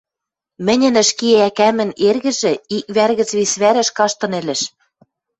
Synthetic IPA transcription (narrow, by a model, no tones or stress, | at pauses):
mɘ̆nʲɘ̆nɘ̆ʃkieækæmɘ̆nerɣɘ̆ʒɘ̆ik̚βærɣɘ̆t͡sβisβæɾɘ̆ʃkɑʃt̪ɤ̆nĕlɘ̆ʃ